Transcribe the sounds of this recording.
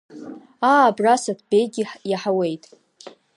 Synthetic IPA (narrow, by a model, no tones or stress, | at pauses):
aːbrasatʰb̥ejɡʲiħjaħawe̞jtʼ